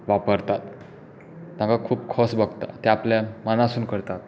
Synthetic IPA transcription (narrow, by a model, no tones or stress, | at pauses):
ʋapəɾt̪at̪ | nãkakʰuːpkʰɔsbəɡt̪a̰t̪ɛapljamənasuːnkəɾt̪at̪̚